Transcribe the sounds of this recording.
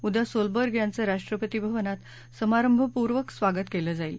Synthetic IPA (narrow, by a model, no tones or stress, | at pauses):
ud̪ʱjasolbəɾɡjãnt͡səɾaʂʈɾəpət̪ibʱəʋənat̪ | səmaɾəmbʱəpuɾʋəksʋaɡət̪keləd͡zail